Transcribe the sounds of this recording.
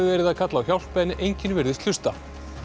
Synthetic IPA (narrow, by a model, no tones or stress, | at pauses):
ɪvɛːɾɪðaðkʰat̪lawçawl̥pɛnɪʔejɲcɪnvɪɾðɪst̪ʏst̪a